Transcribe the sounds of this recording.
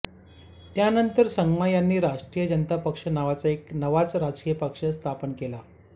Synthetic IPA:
t̪janənt̪əɾsəŋɡmajanːiːɾaʂʈɾijəd͡ʑənt̪apəkʂənaʋat͡saeknəʋat͡sɾad͡zkijəpəkʂəst̪ʰapənkela

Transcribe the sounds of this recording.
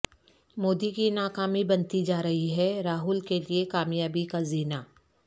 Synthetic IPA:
moːd̪ikinaːkaːmibɐnt̪id͡ʒaːɾɐɦiɦɛɾaːɦʊlkeliekaːmjaːbikaziːnaː

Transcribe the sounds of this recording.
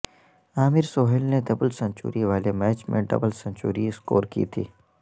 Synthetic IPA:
aːmɪɾsoːɦɪlneɖ̪ɐbəlsɐ̃ɲt͡ʃṵːɾiʋaːlemɛːt͡ʃmḛ̃ɖɐ̰bəlsɐ̃ɲt͡ʃṵːɾiɪsko̰ːɾkḭːt̪ʰḭː

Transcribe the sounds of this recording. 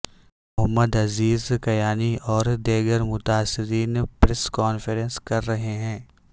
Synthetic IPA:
mʊɦəmːəd̪ɐziːzkɐjaːniʔɔːɾd̪eːɡəɾmʊt̪aːsːɪɾiːnpɾɛskɔːnfəɾɛ̃nskɐɾːɐɦeɦɛ̃ː

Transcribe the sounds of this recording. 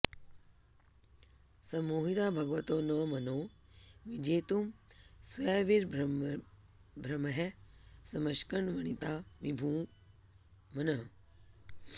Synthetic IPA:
sɐmoːɦiɾaːbʱɐɡʋɐt̪oːnɐːmɐnoːʋid͡ʒeːt̪umsʋeːʋiɾb | bʱɾɐmɐɦesɐmɐʃkɐɳʋɐɳ̃it̪aːʋibʱũː | mɐnɐɦ

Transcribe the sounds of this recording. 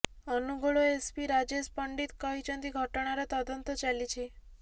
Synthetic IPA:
ənuɡɭoespiɾad͡ʒespəɳɖit̪kəɦit͡ʃənt̪iɡʱəʈɳ̃aɾet̪əd̪ənt̪ot͡ʃalit͡ʃʰe

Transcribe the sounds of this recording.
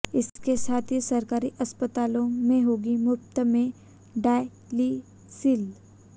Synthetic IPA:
ɪskesaːt̪ʰisɐɾkaːɾiʔɐspət̪aːlõmẽɦoːɡimʊpt̪əmẽ | ɖaːɪ | li | sɪl

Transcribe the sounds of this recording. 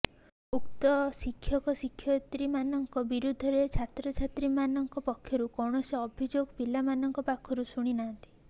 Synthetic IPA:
ukt̪ɔsikʰːjɔkɔsikʰːjɔt̪ɾimanɔŋkɔbiɾud̪ʱɔɾet͡ʃʰat̪ɾɔt͡ʃʰat̪ɾimanɔŋkɔpɔkʰːjɔɾukɔwɳ̃ɔseɔbʱid͡ʒoɡpilamanɔŋkɔpakʰɔɾusuɽ̃inaɦɔnt̪i̥

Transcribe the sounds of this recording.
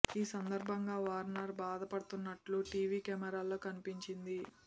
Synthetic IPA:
iːsɐnd̪ɐɾbʱɐŋɡaːʋaːɾnɐɾbaːd̪ɐpɐɽɐt̪unːɐʈluʈiːʋiːkɛmɐɾaːlo̞ːkɐnipiɲt͡ʃind̪i

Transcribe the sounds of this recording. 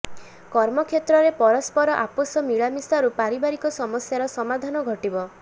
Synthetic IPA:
kɔɾmɔkʰjet̪ɾɔɾepɔɾɔspɔɾɔʔaposɔmiɭamisaɾupaɾibaɾikɔsɔmɔsjaɾɔsɔmad̪ʱanɔɡʱɔʈibɔ

